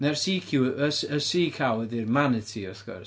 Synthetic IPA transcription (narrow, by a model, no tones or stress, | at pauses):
nɛrsiːkʰjuəsəsiːkʰawɛðirmanə̥tʰiːɔθɡ̥ɔ̰r